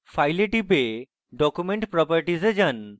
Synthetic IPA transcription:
fʰajleʈibe | ɖɔkumeɳʈpɾɔpəɾʈized͡ʑən

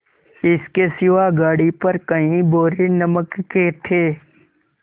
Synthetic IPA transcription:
ɪskesɪʋaːɡaːɽipəɾkəɦĩboːɾenəməkːet̪ʰeː

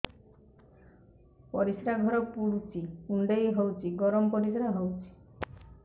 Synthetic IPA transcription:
pɔɾisɾaɡʱɔɾɔpuɽut͡ʃʰiuɳɖejɦowt͡ʃʰiɡɔɾɔmɔpɔɾisɾaɦowt͡ʃʰi̥

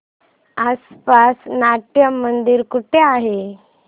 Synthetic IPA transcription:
aspasnaʈ̪jəmːənd̪iːɾkuʈʰeaɦe

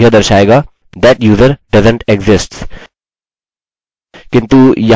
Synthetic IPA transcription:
ɦəd̪əɾʃaːeːɡa | d̪æʈjuːzəɾɖɐzə̃ɳʈɛkzɪsʈs | kɪ̃nt̪ujɐ

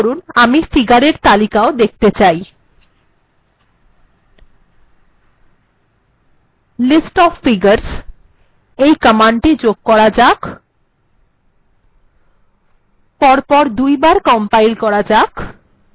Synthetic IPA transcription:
ɾunamifiɡaɾeɾt̪alikaod̪ek̚ʰt̪et͡ɕaj | lisʈɔfːiɡəɾs | ejkəmaɳʈid͡ʑoɡ̚kɔɾad͡ʑak | pɔɾpɔɾd̪ujbaɾkɔmpajlkɔɾad͡ʑak

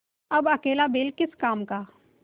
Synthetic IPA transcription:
ɐbɐkeːlabeːlkɪskaːmkaː

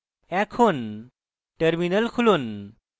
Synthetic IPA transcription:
ɛkʰun | ʈəɾminəlkʰulun

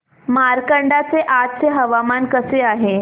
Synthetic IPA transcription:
maɾkəɳɖat͡seʔatt͡seɦəʋamankəseaɦe

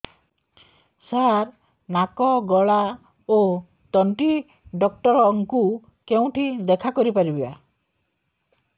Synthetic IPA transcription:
saɾ | nakɔɡɔɭa | o | t̪ɔɳʈi | ɖɔk̚ʈɔɾɔŋku | keũʈʰid̪ekʰakɔɾipaɾibiba̰

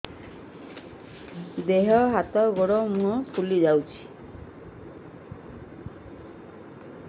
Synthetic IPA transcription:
d̪eɦɔɦat̪ɔɡɔɽɔmuɦɔpʰulid͡ʒawt͡ʃʰi̥

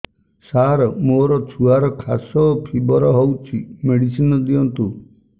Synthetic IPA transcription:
saɾɔmoɾɔt͡ʃʰuaɾɔkʰasɔpʰibɔɾɔɦowt͡ʃʰimeɽisinɔd̪iɔnt̪u

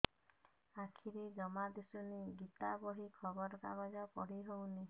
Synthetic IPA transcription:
akʰiɾid͡ʒɔmad̪esuniɡit̪abɔɦikʰɔbɔɾɔka̰bɔd͡ʒɔpɔɽiɦowni

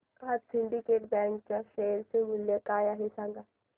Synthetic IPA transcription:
aɾsɪ̃ɳɖikeːʈbɛ̃ːŋkt͡ʃaʃeːlsemʊljakaːjaɦisãŋɡa

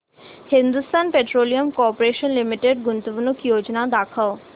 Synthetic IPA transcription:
hɪ̃nd̪ust̪aːnpeʈɾoːlijəmkɔːɾpoɾeːʃənlimiʈeɖɡʊnt̪ubunukjoːd͡ʒnad̪akʰəo

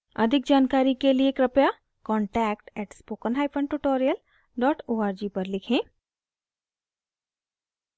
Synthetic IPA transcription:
ɐ̰d̪ʱɪk̚d͡ʒaːnkaːɾikelieːkɾɐpja | kɔ̃ːɳʈɛːk̚ʈɛːʈspoːkənɦaːɪpʰə̃nʈuʈoːɾijəl | ɖɔːʈʰoːaːɾd͡ʒiːpɐɾlɪkʰẽː

